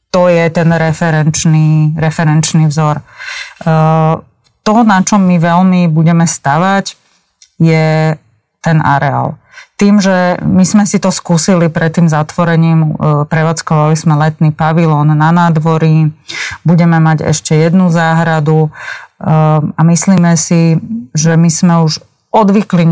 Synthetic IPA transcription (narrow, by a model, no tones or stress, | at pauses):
t̪ɔjɛt̪ɛnɾɛfɛɾɛnt͡ʃniɾɛfɛɾɛnt͡ʃnivzɔɾ | t̪ɔnat͡ʃɔmːiʋɛlmibuɟɛmɛst̪aʋac | jɛ | t̪ɛna̰ɾɛa̰ːl | t̪iːmʒɛmizmɛsit̪ɔskuːsilipɾɛt̪ːiːmzat̪ʋɔɾɛɲiːmpɾɛʋaːt͡skɔʋalizmɛlɛt̪niːpaʋilɔːnːanaːd̪ʋɔɾibuɟɛmɛmaɟɛ̰ʃcɛjɛd̪nuzaːɦɾad̪u | amisliːmɛsiʒɛmizmɛuʒ | ɔd̪ʋikliɲ